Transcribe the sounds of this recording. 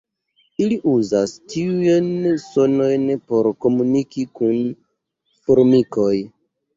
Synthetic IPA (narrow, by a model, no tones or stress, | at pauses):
iliʔuzastiujenso̞no̞jnpo̞ɾko̞munikikun | foɾmiko̞j